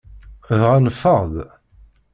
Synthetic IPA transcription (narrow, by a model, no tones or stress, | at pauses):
ðʁænəfːəʁð